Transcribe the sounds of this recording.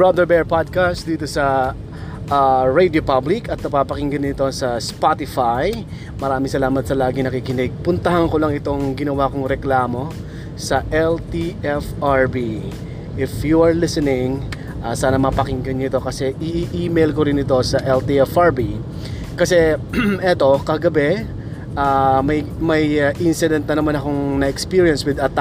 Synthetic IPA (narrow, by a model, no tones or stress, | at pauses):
bɹad̪ɛɹbɛɹpad̪̚kast̪d̪iːt̪o̞sɐ | ʔaːɹejd̪iopablɪkɐt̪̚nɐpapɐkɪŋɡɐnɪt̪o̞sɐspat̪ɪfaj | mɐɾaːmɪŋsɐlaːmɐt̪sɐlaːɡɪŋnɐkikɪnɪɡ̚pʊnt̪ɐɦɐnkolɐŋɪt̪o̞ŋɡɪnɐwakoŋɾɛklaːmo̞ | sɐʔɛlt̪iʔɛfaɹbi | ʔɪfjuɐɹlɪsɛnɪŋ | ʔaːsaːnɐmɐpɐkɪŋɡɐnɪt̪o̞kɐsɛʔɪʔʔiːmejlkoɾɪnɪt̪o̞sɐʔɛlt̪iɛfʔaɹbi | kɐsɛʔɛt̪o̞kɐɡɐbɛ | ʔaːmɐjmɐjʔɪnsɪd̪ɛnt̪̚nɐnɐmanɐko̞ŋnɐɛkspiːɹiɐnswɪd̪ɐt̪